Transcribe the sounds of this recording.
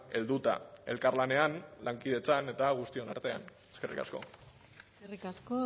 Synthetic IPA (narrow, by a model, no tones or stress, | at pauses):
e̞̰ld̪ut̪a̰e̞̰lkarlane̞anlʔaŋkið̞e̞t͡sane̞t̪aɣ̞ust̪io̞na̰ɾt̪e̞a̰n | e̞skerʔḭka̰sko̞̰ | erikasko